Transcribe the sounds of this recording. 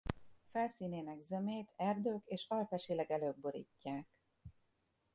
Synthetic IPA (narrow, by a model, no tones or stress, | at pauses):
fɛlsiːneːnɛɡzømeːt̪ʰɛrd̪øːkeːʃɒlpɛʃilɛɡɛløːɡ̚boɾḭcːaːk